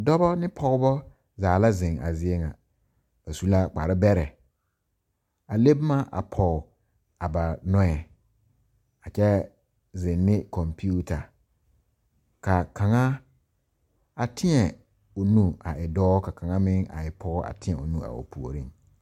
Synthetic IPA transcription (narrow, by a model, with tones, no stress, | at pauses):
dɔ˦bɔ˦nɪ˦pʰɔ˦ɣɔ˦bɔ˦ | zaː˨la˦zɪ̃˨ŋa̰˨zɪ˦e˦ŋa˨ | b̥a˨su˦la˦k͡pa̰˨ɾɪ˦bɛ˦ɾɛ˨ | a˨le˦bma˦ʔa̰˨pʰɔ˨ | a˨ba˨nɔ˦ɛ˨ | a˨t͡ʃɛ˦ | zɪ̃˨nːɪ˦kɔ˨mpi˦u˦ta˨ | ka˨ka˨ŋa˦ | a˨tʰɪ˦ɛ˨ | ʊ˨nũ˦a˨ʔɪ˨dɔː˦ka˨ka˨ŋa˦mɪ˦ŋa̰˨ɪ˨pʰɔ˦ɣɔ˦a̰˨tʰɪ˦ɛ˨ʊ˨nũ˦a̰˨o̰˨pʰu˨o̰˨ɾi˦˨ŋ